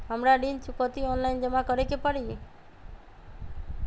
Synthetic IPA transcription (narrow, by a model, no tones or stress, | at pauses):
əmɾaɖint͡ʃukɔt̪iɔnlajnd͡ʒəmãkəɾekepəɽie